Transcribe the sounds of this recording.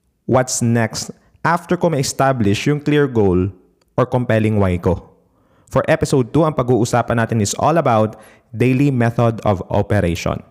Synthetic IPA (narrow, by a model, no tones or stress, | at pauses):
wɐt̪snɛkst̪ | ʔaft̪ɛɹkomɐʔɪst̪ablɪʃjʊŋkliɹɡowl | ʔɔɹkɔmpɛlɪŋwajko | fɔɹʔɛpɪsowd̪̚t̪uɐŋpɐɡuːʔʊsaːpɐnaːt̪ɪnɪsʔɔ̰lɐbawt̪̚ | d̪ejlimɛθod̪ɔ̰vʔo̰pɛɾejʃɔ̰̃n